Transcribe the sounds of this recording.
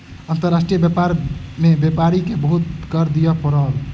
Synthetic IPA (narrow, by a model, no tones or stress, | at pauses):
ənt̪əɾasʈɾijəbjepaɾmebepaɾikebəɦut̪̚kəɾd̪ijəpəɾɔl